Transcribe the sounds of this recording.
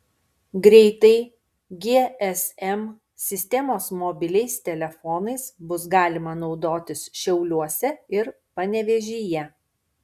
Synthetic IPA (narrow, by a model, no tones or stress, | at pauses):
ɡɾʲɛɪt̪ɐɪ | ɡʲeːɛsɛm | sʲɪsʲt̪ʲɛmoːsmɔːbʲɪlʲɛɪst̪ʲɛlʲɛfɔːnɐɪsbʊs̬ɡɑːlʲɪmɐnɒʊd̪oːt̪ʲɪsʃʲɛʊlʲuɔsʲɛɪɾ | pɐnʲɛʋʲɛʒʲiːjɛ